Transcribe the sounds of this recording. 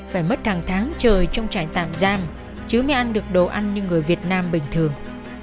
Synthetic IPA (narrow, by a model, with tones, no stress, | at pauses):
faː˧˩jmə˦˥t̚h̪ʰaː˨˩ŋt̪ʰaː˨˦ŋt͡ɕəː˨˩jt͡ɕɔ˧wŋ͡mt͡ɕa̰ː˧˨ŋt̪a̰ː˧˨mzaː˧m | t͡ɕɨ˨˦ma˨˧˦jʔa˧jnɗɨ˨˩ək̚ɗo̰˧˨˩ʔa˧jnɲɨ˧ŋɨ˨˩əjvi˨˩ət̚naː˧mɓï˨˩ŋ̟t̪ʰɨ˨˩əŋ